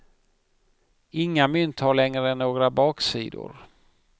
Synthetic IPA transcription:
ɪŋːamʏnt̪haɭɛŋɾəɛnːoːɡɾabɑːksḭːd̪ʊ̰ɾ

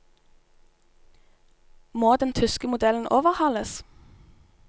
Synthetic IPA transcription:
moːd̪ɛnt̪ʰʏskəmʊd̪ɛln̩ʔoːʋəʁhɑləs

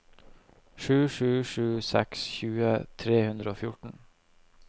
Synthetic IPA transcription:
ʃʉːʂʉːʂʉːsɛ̰ksçʉːət̪ʰɾeːhʉnd̪ɾəoːfjʊʈn̩

